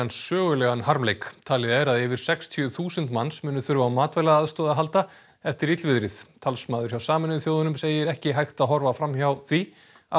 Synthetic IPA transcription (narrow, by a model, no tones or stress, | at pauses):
ansːœːɣʏlɛɣanhaɾmlejkt̪ʰaːlɪðɛɾaðɛːvɪɾ̥sɛkst̪ʰjʏθuːsɛnt̪mansmʏːnʏθʏɾvaːwmaːt̪vɛjlaðaðst̪ɔːðaɦalt̪a | ɛft̪ɪɾit̪lvɪðɾɪðt̪ʰalsmaːðʏɾ̥çjawsaːmɪnʏθjoːwðʏnʏmseːjɪɾɛhcɪɦajxt̪aðɦɔɾvafɾamçawθvi | a